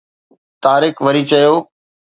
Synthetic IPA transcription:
t̪aːɾɪkʋɐɾit͡ɕɐjoː

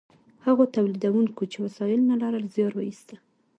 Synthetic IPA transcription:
haɣot̪awlid̪awuŋkot͡ʃewasɑjɪlnalɑɾəlzjɑɾwajist̪a

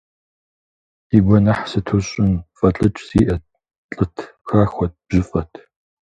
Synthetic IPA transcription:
iɡʷɔnɐħsɨtʰuɕʼɪnfʼɐt͡ɬʼɨt͡ʃʼsiːʔɐ | t͡ɬʼɨtʰxaːxʷɔt̚b̥ʒɪfʼɐtʰ

